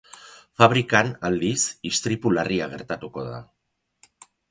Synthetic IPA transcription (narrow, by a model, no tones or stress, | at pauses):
faβ̞ɾikanald̪isist̪ɾipulariaɣ̞e̞ɾt̪at̪uko̞ða̰